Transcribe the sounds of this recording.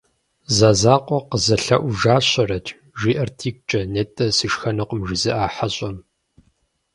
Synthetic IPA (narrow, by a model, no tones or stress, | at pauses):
zaːzaːqʷʼɔqəzɐɬɐʔʷʊʒaːɕɐrɐtʰʼ | ʒʷiːʔɐrtʰiːk̚ʷʼt͡ʃʼɐnetʼɐsɨʃxɐnɐqʊmʒɪzɨʔaːħaɕʼɐm